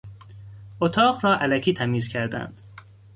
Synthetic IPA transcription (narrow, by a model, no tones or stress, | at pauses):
ʔot̪ʰɒːɢɾɒːʔælæcʰiːt̪ʰæmiːzcʲʰæɾd̪æ̰nd̪̥